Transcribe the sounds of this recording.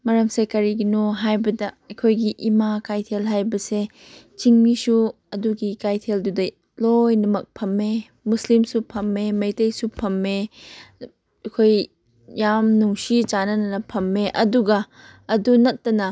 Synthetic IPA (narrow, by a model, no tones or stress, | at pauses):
mɐɾɐmsekɐɾiɡinoɦajbɐdɐɐkʰojɡiʔimakajtʰelɦajbɐse | t͡ʃiŋmisu | ɐduɡikajtʰeldudɐj | lojnɐmɐk̚pʰɐmːe | muslimsupʰɐmːemɐjtɐjsupʰɐmːe | ɐkʰoj | jamnuŋsit͡ʃanɐnɐnɐpʰɐmːeʔɐduɡɐː | dunɐtːɐnɐ